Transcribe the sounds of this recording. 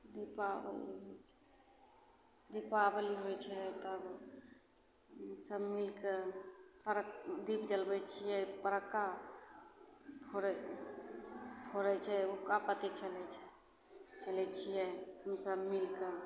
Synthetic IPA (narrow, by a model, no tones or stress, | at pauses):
d̪ipabə̰lḭɦojt͡ʃʰɛ̥ | d̪ipabəliɦojt͡ʃʰɛt̪əb | msəbmilkepəɾəkd̪ipd͡ʒəlbɛt͡ʃʰijɛpəɾəkːa | pʰoɾɛ | pʰoɾɛt͡ʃʰɛokapət̪ikʰelɛt͡ʃʰɛ̥ | kʰelɛt͡ʃʰijɛhəmsəbmilke